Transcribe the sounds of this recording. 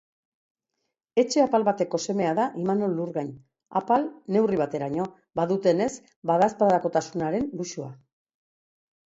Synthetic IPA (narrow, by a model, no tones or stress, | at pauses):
e̞t͡ʃe̞apalβat̪e̞ko̞se̞me̞aðaʔimano̞lːuɾɣaɲ | a̰palne̞wriβ̞at̪e̞ɾaɲo̞ | baðut̪e̞ne̞z | baðaspaðako̞t̪asunaɾe̞nluʃua